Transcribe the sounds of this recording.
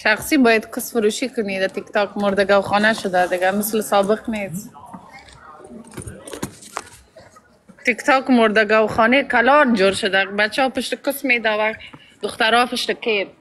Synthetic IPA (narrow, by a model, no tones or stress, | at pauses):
ʃaχsibɔjad̪kʊsfʊɾuʃikʊnid̪at̪ɪkt̪ɑkmoɾd̪aɡawχɔnaʃʊd̪ad̪ɪɡamɪslsɔbɪqnes | t̪ɪkt̪ɑkmoɾd̪aɡawχɔnekalɔnd͡ʒoɾʃʊd̪abat͡ʃɑpəʃt̪əkʊsmed̪awa | d̪ʊxt̪aɾɔpɪʃt̪əkeɾ